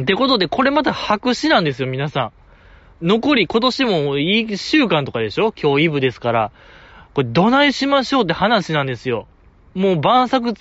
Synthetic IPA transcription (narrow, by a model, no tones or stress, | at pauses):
t̪e̞ko̞t̪o̞d̪e̞ko̞ɾe̞mat̪ahakɯ̟ɕinãnd̪e̞sɨjo̞mʲinasã | no̞ko̞ɾʲiko̞t̪o̞ɕimo̞iɕɨːkãnt̪o̞kad̪e̞ɕo̞kʲʰo̞ːibɯ̟d̪e̞sɨ̥kaɾa | ko̞ɾed̪o̞naiɕimaɕo̞ːt̪̬ːe̞hanaɕinãnd̪e̞sɨjo̞ | moːbãɰ̃sak̬ɯ̟